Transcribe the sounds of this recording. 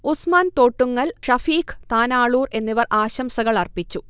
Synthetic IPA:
usmaːnt̪o̞ːʈːuŋːɐlʂɐfiːkt̪aːnaːɭuːre̞nːiʋɐrʔaːɕɐmsɐɣɐɭɐrpit͡ɕːu

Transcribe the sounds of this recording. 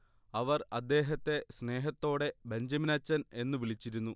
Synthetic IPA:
ɐʋɐrɐd̪ːe̞ːɦɐt̪ːe̞sne̞ːɦɐt̪ːo̞ːɽe̞beɲd͡ʑɐminat͡ɕːɐne̞nːɨʋilɭit͡ɕːiɾunːu

